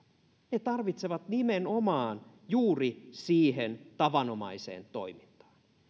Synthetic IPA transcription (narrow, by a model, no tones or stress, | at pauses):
net̪ɑrʋit̪seʋɑt̪nimenomɑːn | juːrisiːhent̪ɑʋɑno̞mɑ̰isḛːnt̪o̞̰imint̪ɑ̥ːn